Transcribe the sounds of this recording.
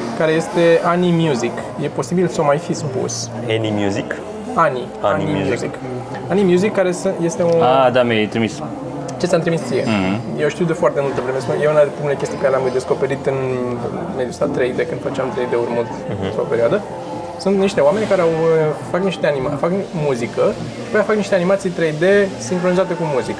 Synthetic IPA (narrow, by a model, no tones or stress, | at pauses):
kaɾe̞je̞st̪e̞animjuzikje̞po̞sibilsəomajfispṵs | enimjuzik | ani | aaniimjuzizik | animjuzikːaɾe̞sɨje̞st̪e̞oad̪ameet̪ɾimis | at͡ʃesʲjamt̪ɾimitst͡s̪ijḛjewʃt̪iuwd̪efoart̪e̞mult̪əvɾemesujeunapɾimelekʲe̞st̪ikəkaɾeeamd̪e̞sko̞pe̞ɾit̪ɨn | me̞d̪jusa̰t̪ɾejd̪ekɨnd̪fət͡ʃeamt̪ɾejd̪eurmɨlt̪t̪ɾo̰pe̞ɾioad̪ə | sunt̪niʃt̪e̞oame̞nʲkaɾe̞awəfakniʃt̪e̞animafakmuzikə | ʃḁpojafakniʃt̪eanimat̪sijt̪ɾe̞jd̪e̞siŋkɾo̞nizat̪e̞kumuzikə